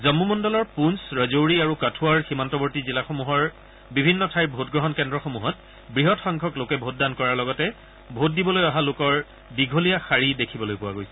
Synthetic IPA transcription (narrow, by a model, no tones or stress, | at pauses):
zɔmːumɔndɔlɔɹpunsɹɔzowɹiaɹukatʰuaɹximantɔbɔɹtizilaxomuɦɔɹ | bibʱinːɔtʰajbʱotɡɹɔɦɔnkɛndɹɔxomuɦɔt | bɹiɦɔtxɔŋkʰɔklokɛbʱot̚dankɔɹaɹlɔɡɔtɛ | bʱot̚dibɔlojaɦalokɔɹ | biɡʱolijaxaɹidekʰibɔlojpʊwaɡojsɛ̥